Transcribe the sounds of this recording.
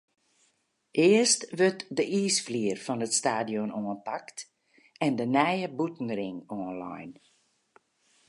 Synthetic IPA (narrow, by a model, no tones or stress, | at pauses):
ʔɪərstʋøtdəʔiːsfliərfɔnətstaːdiɔnoənpakt | ɛndənɛjəbutn̩rɪŋoənlɑ̰jn